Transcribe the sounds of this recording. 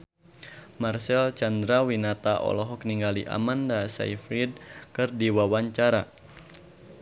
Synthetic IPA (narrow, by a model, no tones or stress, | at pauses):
marsɛlt͡ʃand̪ɾawinat̪aʔɔ̰lɔɦɔk̚niŋɡaliʔa̰mandasa̰ifɾid̚kɨrdiwawaɲt͡ʃaɾa